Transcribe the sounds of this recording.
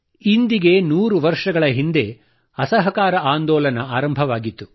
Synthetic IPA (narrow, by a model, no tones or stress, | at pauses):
ind̪iɡe̞nuːɾuʋɐɾʂɐɡɐɭɐɦind̪e̞ | ɐsɐɦɐkaːɾɐʔaːnd̪ɔːlɐnɐaːɾɐmbʱɐʋaːɡit̪ːu